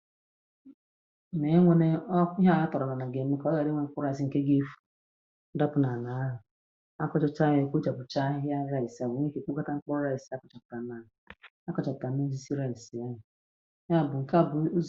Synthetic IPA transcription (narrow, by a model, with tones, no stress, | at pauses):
ne˨˦ŋʷe˦ne˦ɔ˦i˦ɦa˦˨a˦tɔ˨ɾɔ˨na˨na˨ɡe˨m̩˦e˦ka˨ɔ˦ɡa˨ɾɪ˦ŋʷe˦ŋ͡m̩˦k͡pɔ˦ɾa˦˨ɪ˨s̬i˨ŋ̩˨ke˦ɡe˦fu̥˨˦ | da˦pʊ˨na˨na˨˦ɦʊ˨ | a˦kɔ˦t͡ʃɔ˦t͡ʃa˦ɦɪ˦kʷo˦t͡ʃa˨pʊ˨t͡ʃa˦ɦɪ˦a˦ɾa˦ɪ˨sa˨bo˨ŋʷe˦ke˨k͡pu˦ka˦ta˦ŋ͡m̩˦k͡pɔ˦ɾa˦˨i˨sa˦kɔ˨˦t͡ʃɔ˨pʊ̥˨ka˨˦na˨˦ɦʊ˨ | a˦kɔ˨t͡ʃa˨pka˨n˦e˦zi˦si˦ɾa˦˨i˨si˨a˦ɦʊ˨˦ | ɦa˦˨bʊ˨ŋ̩˨ka˦˨bʊ˨˦